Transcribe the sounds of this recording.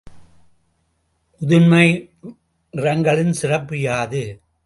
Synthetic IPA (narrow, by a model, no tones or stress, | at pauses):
ʊðɯnmɐɪ | ɪɾɐŋɡɐɭɪnsɪrɐpːɯjaːðɯ